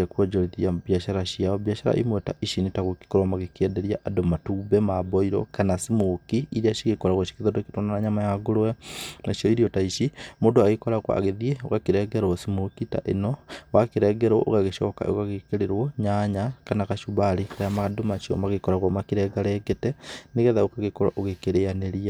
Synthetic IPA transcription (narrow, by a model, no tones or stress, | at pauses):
akwod͡ʒoɾiðiaβjaʃaɾaʃiaoβjaʃaɾa̰ʔḭmweta̰ʔiʃinitaɣoki̥koɾamaɣekɛdeɾiaʔadomatuːbɛmaboiɾo̰kanasimokiːɾiaʃiɣekoɾaɣwaʃi̥kiðodokitonanaɲamajaɡoɾowɛnaʃioiɾiotaiʃimoːndoaɣekɔɾaɣwa̰a̰ɣeðiɛo̰ɣakeɾɛːɡɛɾwɔsimokita̰ʔenɔwakeɾɛːɡɛɾwɔʔo̰ɣaɣeʃɔːka̰ʔo̰ɣaɣekeɾeɾwɔɲaɲakanakaʃuβaɾekaɾaamadomaʃiɔ̰maɣekɔɾaɣwamakiɾɛɡaɾɛɡɛtɛneɣɛðaokaɣekɔɾwa̰ʔoɣekeɾeaneɾia